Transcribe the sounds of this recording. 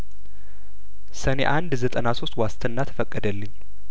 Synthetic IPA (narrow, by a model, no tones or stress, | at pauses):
sənḛʔand̪zət̪ʼənaso̞st̪wast̪ʰənːat̪ʰə̥fəkʼːəd̪əlːɨɲː